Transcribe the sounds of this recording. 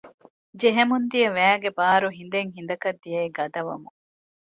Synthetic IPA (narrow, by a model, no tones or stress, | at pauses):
d͡ʒeɦemund̪iɐʋæːɡebaːɾuɦind̪eŋɦind̪ɐkɐd̪ːijɐiɡɐd̪ɐʋɐ̰mu